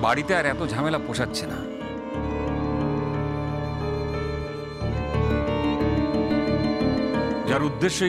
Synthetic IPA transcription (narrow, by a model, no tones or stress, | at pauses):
baɽit̪eaɾɛt̪od͡ʑʱamelapoʃatːɕʰena̰ | d͡ʑaɾud̪ːeʃːo